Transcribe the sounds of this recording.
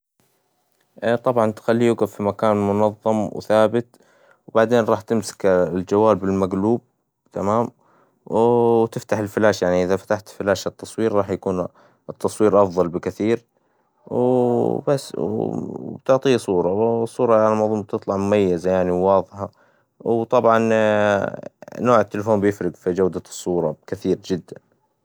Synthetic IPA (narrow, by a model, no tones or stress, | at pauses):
ʔt̪ˤɑbʕɑnt̪xalːijuɡaffimakaːnmʊnɑðˤːɑmwθaːbɪt̪ | wbaʕd̪eːnɾˤɑːħt̪ɪmsɪ̥kld͡ʒawːaːlbɪlmaɡluːb̚ | t̪ʰamaːm | wt̪ɪft̪aħɪlfɪlaːʃjaʕniʔɪðafḁt̪aħt̪fɪlaːʃɨt̪ːɑsˤwiːɾɾˤɑːħjakuːn | ʔɨt̪ːɑsˤwiːɾʔɑfðˤɑlbɪkɪθiːɾ | wbasːwbt̪ʊʕt̪ˤiːsˤuːɾˤɑsˤːuːɾˤɑʕalamɑʕðˤuːmb̚t̪ɨt̪ˤlɑʕmʊmajːazajaʕniwwɑːðˤħa | wt̪ˤɑbʕɑn | noːʕɪt̪ːɪlfoːmbjɪfɾɪɡfid͡ʒawd̪asˤːuːɾˤɑkɪθiːɾd͡ʒɪd̪ːan